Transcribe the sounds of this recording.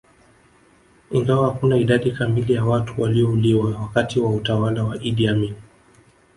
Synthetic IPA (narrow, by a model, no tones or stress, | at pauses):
iŋɡawahakunaiɗaɗikamilijawatuwaliɔuliwawakatiwautawalawaʔiɗiamin